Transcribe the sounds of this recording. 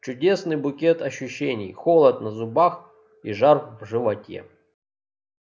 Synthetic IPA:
t͡ɕʊdʲe̞snɨjbʊkʲet̪ɐɕːʊɕːenʲɪ̰jxolˠɐt̪nɐzʊbax | iʐarfvʐɨvɐtʲḛ

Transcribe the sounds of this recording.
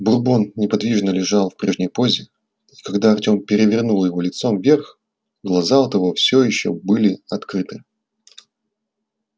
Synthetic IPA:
bʊrbo̞nnʲɪpɐd̪vʲiʐnəlʲɪʐɑlˠfpɾʲe̞ʐnʲəjpo̞zʲɪ | ikɐɡd̪aɐrtʲo̞mpʲɪɾʲɪvʲɪrnulˠjɪvo̞lʲɪt̪so̞mvʲerx | ɡlˠɐzaot̪ɐvo̞fsʲojɪɕːo̰bɨlʲɪɐt̪kɾɨt̪ɨ

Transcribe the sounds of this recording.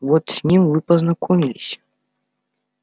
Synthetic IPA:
vɔt̪sʲnʲimvɨpɐznakʰɔmʲilʲisʲɐ̥

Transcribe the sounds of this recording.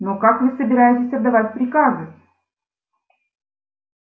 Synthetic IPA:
nokakvɨsəbʲɪɾajɪtʲɪsʲɐd̪ːɐvatʲpɾʲɪkazɨ

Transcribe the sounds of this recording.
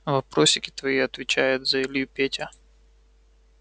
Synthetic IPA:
vɐpɾoɕʲɪkʲɪ̥t̪vɐiɐt̪vʲɪt͡ɕæjʊt̪zɐɪlʲjupʲetʲə

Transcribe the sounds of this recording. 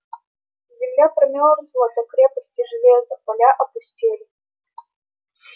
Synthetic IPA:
zʲɪmlʲaprɐmʲɔrsʲlˠɔsʲɐkɾʲepəsʲtʲiʐɨvʲezɐpɐlʲaʔɐpʊsʲtʲelʲɪ

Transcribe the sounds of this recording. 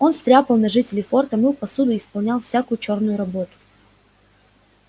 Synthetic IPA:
o̞nst̪ɾʲapəlˠnɐʐɨtʲɪlʲɪfo̞rt̪əmɨlˠpɐsud̪ʊɪspɐlˠnʲalˠfsʲakʊjʊt͡ɕo̞rnʊjʊɾɐbo̞t̪ʊ̥

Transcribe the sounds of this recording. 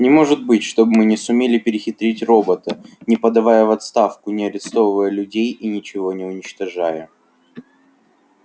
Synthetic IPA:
nʲɪmo̞ʐɨt̪̚bɨtʲʂt̪o̞bɨmɨnʲɪsʊmʲelʲɪpʲɪɾʲɪxʲɪt̪ɾʲitʲro̞bət̪ənʲɪpəd̪ɐvajəvɐt̪st̪afkʊnʲɪɐɾʲɪst̪o̞vəvəjəlʲʉdʲejinʲɪt͡ɕɪvo̞nʲɪʊnʲɪt͡ɕt̪ɐʐajə

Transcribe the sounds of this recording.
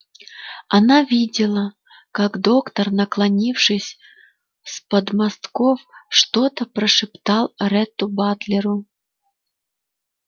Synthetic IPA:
anavʲidʲɪlˠə | kakd̪okt̪ərnəklˠɐnʲifʂɨsʲ | spəd̪mast̪kofʂt̪ot̪əpɾəʂɨpt̪ɑlˠɾɛt̪ːʊbat̪lʲɪɾʊ

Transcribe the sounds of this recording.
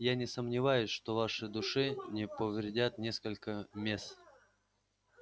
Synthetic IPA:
janʲɪsəmnʲɪvajʊsʲʂt̪ovaʂɨd̪ʊʂɨnʲɪpəvɾʲɪdʲat̪nʲe̞skəlʲkəmʲe̞st̪

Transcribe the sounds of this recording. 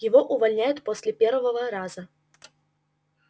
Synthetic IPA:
jɪvoʔʊvɐlʲnʲæjʊt̪posʲlʲɪpʲervəvəvəɾazə

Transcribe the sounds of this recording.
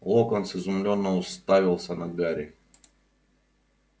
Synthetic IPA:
lˠokonsɪzʊmlʲonːəʊst̪avʲɪlˠsʲənɐɡaɾʲɪ

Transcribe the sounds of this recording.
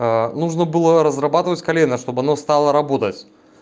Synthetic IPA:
ənuʐnəbɨlˠəɾəzrɐbat̪ɨvətʲkɐlʲenːəʂt̪o̞bɨɐnost̪alˠəɾɐbo̞t̪ətʲ

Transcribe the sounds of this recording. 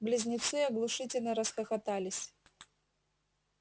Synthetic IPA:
blʲɪzʲnʲɪt̪sɨɐɡlˠʊʂɨtʲɪlʲnəɾəsxɐxɐt̪alʲɪsʲ

